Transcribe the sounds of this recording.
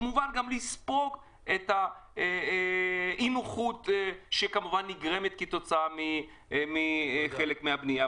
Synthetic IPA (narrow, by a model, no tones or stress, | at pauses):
muvanɡamlispo̞k | et̪a | imuχut̪ʃekamuvanːiɡʁemet̪kit̪o̞t͡saami | miχelekmeabnija